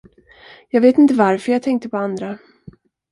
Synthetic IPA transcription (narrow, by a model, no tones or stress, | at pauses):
jɑːɡveːt̪ɪnt̪əvaɾfœɾjaːɡt̪ʰɛŋk̚t̪əpʰɔand̪ɾa